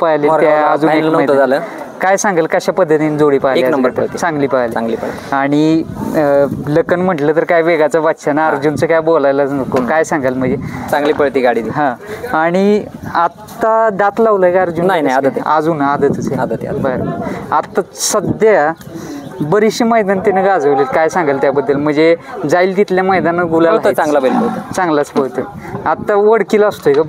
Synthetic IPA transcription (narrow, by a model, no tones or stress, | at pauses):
pajliːmaad͡zuːenəjt̪d͡zaləkajsãŋɡəlkəɕapəd̪ʱːət̪inid͡zoɽiːpaejanəmbəɾp̪ət̪isãŋɡliːpaliaŋɡliːpəɭt̪aɽ̃i | ləkənm̤əʈlət̪əɾkajʋeɡat͡saʋat̪ɕʰanaəɾd͡ʑunt͡səkajbolajlət͡snəkːokajsãŋɡəlm̤əɳd͡zesãŋɡliːpəɭt̪iːɡaɽid̪iɦãaɽ̃iat̪ːad̪at̪laʋləjkaaɾd͡ʑunaɦinaiad̪ət̪ad͡zuːnad̪ət̪ət͡sead̪ət̪bəɾbəɾat̪asəd̪ja | bəɾiɕiməjd̪ant̪enəɡad͡zəʋlikajsãŋɡajlt̪jabəd̪ːəlm̤əɳd͡zed͡zailt̪it̪ljaməjd̪anːaɡulaaɦt͡sãŋɡlabələt͡sãŋɡlat͡sboɭt̪ə | at̪ːaʋəɽkiləst̪oeka